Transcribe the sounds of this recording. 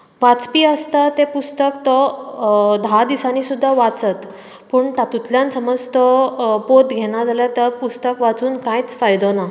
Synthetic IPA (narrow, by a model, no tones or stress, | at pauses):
ʋat͡spiːəst̪at̪epust̪əkt̪ɔ | d̪ʱad̪isanisud̪ʱːaʋat͡sət̪ | puːɳt̪at̪ut̪ljansəməd͡zt̪ɔpot̪ɡʱeɽ̃ad͡zʱaljat̪əɾpust̪əkʋat͡suːnkãjt͡sfajd̪ona